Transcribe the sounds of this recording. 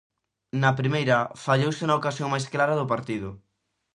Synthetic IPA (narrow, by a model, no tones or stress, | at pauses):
nɐpɾimejɾɐfaʎowsɪnɐokasjoŋmajsklaɾɐðʊpaɾt̪iðʊ